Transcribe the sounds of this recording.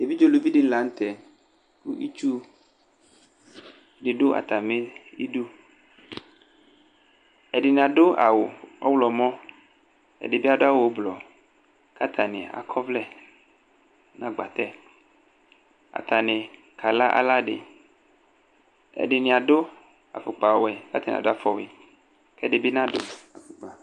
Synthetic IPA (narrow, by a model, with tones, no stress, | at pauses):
je˨vi˦d͡ʒo˦lu˨vi˦ɖe˦n̩˦la˨ŋ̩˦t̪ɛ˨ | ku˦ʔi˦t͡ʃu˦ | ɖe˨ɖo˦ʔa̰˨t̪a˨mẽ˦i˦ɖu˦ | e˨ɖɪ˨nĩ˨a˨ɖo˦a̰˨wo˨ɔ̰˦wlɔ˨mɔ̃˦ | ḛ˨ɖe˨bi˦a˦ɖo˦a˦wo˨˦blɔ˨ | ka˦t̪ʰa˨nḛ̃˨a̰˨kʰɔ˦vlɛ˦ | nã˦ɡ͡ba˨t̪ɛ˦˨ | a̰˨t̪a˨nẽ˨ | kʰa˨la˦ʔa̰˨la˦ɖḛ˨ | ḛ˨ɖe˨nĩ˨a˨do˦ | a̰˨fo˨k͡pa˨wɛ˨ka˦a˨nḭ̃˨do˦a˨fɔ˨we˨ | kɛ˦ɖe˨be˦nã˦ɖo˨a˨fo˨k͡pa˨